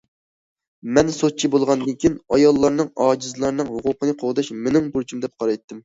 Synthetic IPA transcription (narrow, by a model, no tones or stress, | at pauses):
mɛnsot̪̚t͡ʃʰibolˠʁɑnd̪ɨnkʲʰijinɑjɑlˠːɑɾnɨŋɑːd͡ʒizɨlˠɑɾnɨŋɦʊqʰʊqənɨqʰoʁd̪ɑʃmenɨŋbuɾt͡ʃʰimd̪ɛp̚qʰɑɾɑjt̪ːɨm